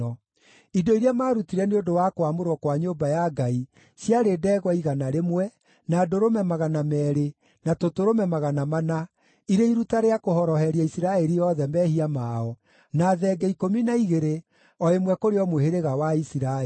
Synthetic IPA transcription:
ɔ | idoiɾeamaːɾutiɾɛneondowakwamoɾwɔkwaɲoːbajaɡai | sjaɾeːdɛːɣwɔiɣanaɾemwɛ | naːdoɾomɛmaɣanamɛːɾe | natotoɾomɛmaɣanamana | iɾeiɾutaɾeakohɔɾɔhɛɾiaisiɾaɛɾiɔðɛmɛhiamaɔ | naːðɛɡɛikominaiɣeɾe | ɔemwɛkoɾeɔmoheɾeɣawaisiɾa

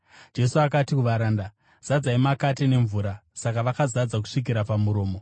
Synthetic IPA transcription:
d͡ʒe̞suakatikuʋaɾaːnda | z̥ad͡zaimakatine̞ɱvuːɾasakaʋakazad͡zak̬u̥ʂik̬iɾapamuɾo̞ːmo̞

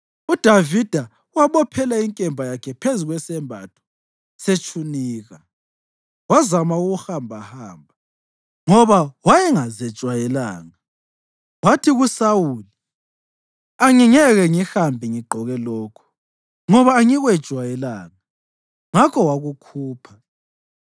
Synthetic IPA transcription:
ud̥ʱavid̥ʱa | waβɔpʰɛlaiŋkʼɛmbʱajakʰɛpʰezuɣwɛsɛmbʱa̰tʰɔ̥ | set͡ʃʰuniːɣa | wazamauɣuhambʱahaːmbʱa | ŋɔβawajɛŋazɛ̥ʒ̥ʼʱwajɛla̰ːŋa | watʰiɣusawuli | aŋiŋɛɣɛŋixambʱiŋiɡ͡ǃʱɔɣɛlɔːkʰɔ̥ | ŋɔβaːŋiɣwɛ̥ʒ̥ʱwajɛlaŋa | ŋakʰɔwaɣukʰuːpʰḁ

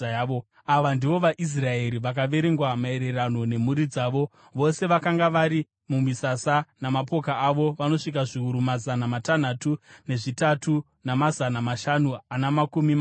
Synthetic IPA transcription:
o | aʋandiʋo̞ʋaʔis̬rae̞ɾiʋak̬aʋe̞ɾe̞ŋɡwamae̞ɾe̞rano̞ne̞muɾid͡zaːʋo̞ | ʋo̞se̞ʋakaŋɡaʋaɾi | mumisasanamapo̞kaːʋo̞ʋano̞ʂik̬aʐiuɾumazanamatan̤atune̞ʐitatʰu | namazanamaʃanuanamakumima

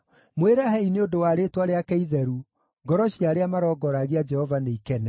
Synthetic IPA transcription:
mweɾahɛineodowaɾetwaɾeakɛiðɛɾu | ɡɔɾɔɕiaɾeamaɾɔːɡɔɾaɣead͡ʒɛhɔvaneikɛnɛ

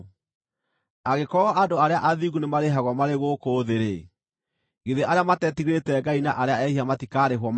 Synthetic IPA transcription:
aɣekɔɔʔadoaɾeaʔaðiɣunemaɾeɦaɣwɔmaɾeɣokoðeɾe | ɡeðeʔaɾeamatɛtiɣetɛɡainaʔaɾeaɛhiamatikaɾeɦwɔm

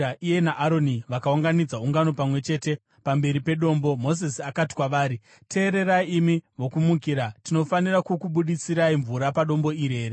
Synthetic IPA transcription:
aʔije̞naʔaɾo̞niʋakauŋɡanid͡zauŋɡano̞pamwe̞t͡ʃe̞ːte̞ | pambe̞ɾipe̞ɗo̞ːmbo̞mo̞sisiakati̥kwaʋaːɾi | tʰe̞ːɾe̞ɾaiːmiʋo̞kumuk̬iɾatino̞fanirakukuɓuɗit͡siɾaiɱvuɾapaɗo̞mbo̞iɾe̞ːre

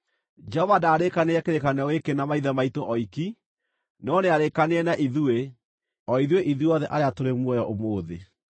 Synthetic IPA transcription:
d͡ʒɛɔvadaːɾekaneɛkeɾekaneɔɣekenamaiðamaitoʔɔiki | nɔneaɾekaneɛnaʔiðue | ɔiðweʔiðuɔðɛʔaɾeatoɾemwɔjɔʔomoːðe

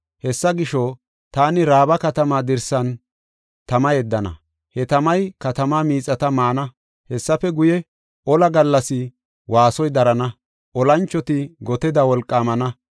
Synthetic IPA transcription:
hɛsːɐɡɪʃɔ | t̪aːnɪɾaːbɐkɐt̪ɐmaːd̪ɪɾsɐn | t̪ɐmɐjɛd̪ːɐnɐ̰ | hɛt̪ɐmɐjkɐt̪ɐmaːmiːt͡sʼːɐt̪ɐmaːnɐ | hɛsːɐfɛɡʊjɛ | ʔɔlɐɡɐlːɐsɪ | waːsɔjd̪ɐɾɐnɐ | ʔɔlɐnt͡ʃːɔt̪ɪɡɔt̪ɛd̪ɐwɔlkʼːaːmɐnɐ

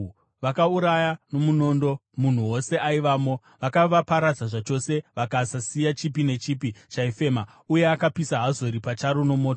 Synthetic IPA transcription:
ʋakauɾajano̞muno̞ːndo̞mun̤uwo̞se̞aiʋaːmo̞ | ʋakaʋapaɾad͡zaʐat͡ʃo̞se̞ʋakasasijat͡ʃipine̞t͡ʃiːpit͡ʃaife̞ːma | uje̞akapisaɦazo̞ɾipat͡ʃaɾono̞mo̞ːto

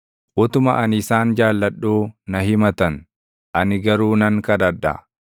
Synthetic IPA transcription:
ʔʊt̪ʊmɐʔɐnɪsaːnd͡ʒaːlːɐᶑːuːnɐɦɪmɐt̪ɐn | ʔɐnɪɡɐɾuːnɐŋkɐd̪ɐdːɐ̰

